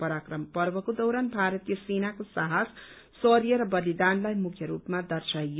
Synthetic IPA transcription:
pʌɾakrʌmpʌrbʌkod̪ʌwɾanbʱaɾʌt̪ijʌsenakosaɦas | sʌɾjʌɾʌbʌlid̪anlajmukʰjʌɾupmad̪ʌrsaj

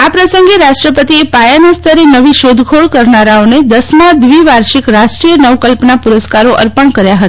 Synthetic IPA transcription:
apɾəsəŋɡeɾaʃʈɾəpət̪iepajanəst̪ʰəɾenəʋiʃod̪ʱkʰoɭkəɾnaɾaoned̪əsmãd̪ʋiʋaɾʃikɾaʃʈɾijənəʋkəlpnapuɾəskaɾoʔə̰ɾpəɳkəɾjaɦət̪a

